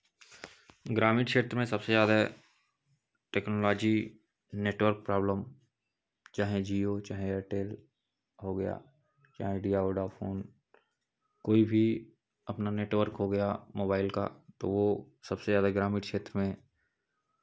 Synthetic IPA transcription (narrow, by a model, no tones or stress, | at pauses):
ɡɾaːmiːʈʃeːt̪ɾəmẽsɐbsezjaːd̪a | ʈeːknoːlɔːd͡ʒi | neːʈʋəɾk̚pɾaːbləm | t͡ʃaːɦed͡ʒiːot͡ʃaːɦẽeːʈeːl | ɦoɡɐja̰ː | t͡ʃa̰ːɦeɖiːjaoːɖafʰoːn | koːibʱi | ɐpnaneːʈʋəɾkɦoɡɐjamoːbaːɪlka̰t̪o̰ʋo | sɐbsezjaːd̪aɡɾaːmiːʈʃeːt̪ɾəmẽ